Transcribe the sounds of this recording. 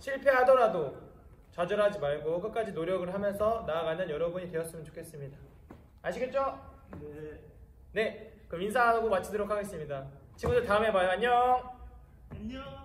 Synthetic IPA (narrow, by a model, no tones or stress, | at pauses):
ɕʰiɭpʰe̞ɦadʌɾado | t͡ɕad͡ʑʌɾɦad͡ʑimaɭɡokɯk͈ad͡ʑinoɾjʌɡɯɭɦamjʌnsʰʌnaːɡanɯnjʌɾʌbuɲitwe̞ʌs͈ɯmjʌnt͡ɕo̥kʰe̞s͈ɯmɲida | aɕʰiɡet̚t͡ɕ͈o | ne̞ | kɯminsʰaŋaaɡomat͡ɕʰidɯɾokʰaɡe̞s͈ɯmɲida | t͡ɕimusʌtaɯme̞bajoaɲːʌ